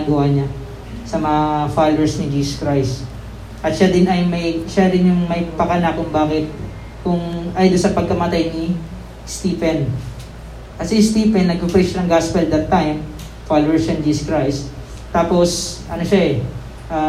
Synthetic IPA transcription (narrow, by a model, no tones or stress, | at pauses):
ɡuhɐɲa | sɐmɐŋfalowɛɹsnɪd͡ʒiːsskɹajst | ʔɐt̪ʃad̪ɪnɐjmɐjʃadɪnjʊŋmɐjpɐkɐnakːʊŋbaːkɪt̪̚ | kʊŋʔajd̪olsɐpɐɡ̚kɐmɐt̪ajnɪ | st̪iːpɛn | ʔɐt̪sɪst̪iːpɛnːɐɡ̚pʊfɛʃɐnɐŋɡaspɛld̪ɐt̪ːajm | falwɛɹsɐnd͡ʒiːskɹajs | t̪ːaːposʔɐnoʃaɛ | ʔaː